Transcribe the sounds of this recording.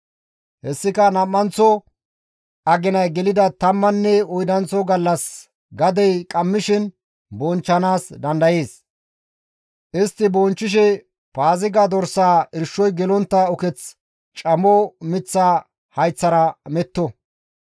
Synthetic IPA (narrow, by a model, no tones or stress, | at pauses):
hɛsːɪkɐnɐmːɐnt͡sɔ | ɐɡɪnɐjɡɛlɪd̪ɐt̪ɐmːɐnːɛɔjd̪ɐnt͡sːɔɡɐlːɐs | ɡɐd̪ɛjkʼɐmːɪʃɪn | bɔnt͡ʃːɐnaːsd̪ɐnd̪ɐje̞ːs | ʔɪst̪ːɪbɔnt͡ʃːɪʃ̬ɛ | paːzɪɡad̪ɔɾsaːɪɾʃːɔjɡɛlɔnt̪ːɐɔkɛt͡s | t͡ʃʼɐmɔmɪt͡sːa | hɐjt͡sːɐɾɐmɛt̪ːɔ